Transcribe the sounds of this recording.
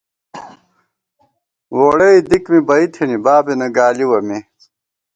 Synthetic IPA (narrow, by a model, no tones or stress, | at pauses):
woɽeid̪ikmibɐit̪ʰenibaːbenɐɡaːliwɐme